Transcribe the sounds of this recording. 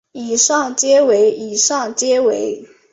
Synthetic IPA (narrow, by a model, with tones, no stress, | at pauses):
i˨˩ʂɑ˥˩ŋt͡ɕjɛ˥we˧˥ɪi˨˩ʂɑ˥˩ŋt͡ɕjɛ˥we˧˥ɪ